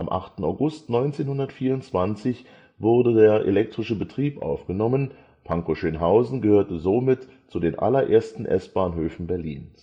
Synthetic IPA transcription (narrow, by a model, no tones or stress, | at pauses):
ʔamʔa̰χtn̩aʊɡʊstnɔʏnt͡seːnhʊndɐtfiːɐʊnt͡sv̥ant͡sɪç | vʊɐdədeːɐʔḛlɛk̚tʁ̥ɪʃəbətʁ̥iːpʔa̰ʊfɡ̥ənɔmən | pʰaŋkoʃøːnɦaʊzn̩ɡəhøːɐtəzoːmɪt | t͡sudeːnʔa̰lɐʔḛːɐstn̩ʔɛ̰sb̥aːnɦøːfn̩bɛɐlḭːn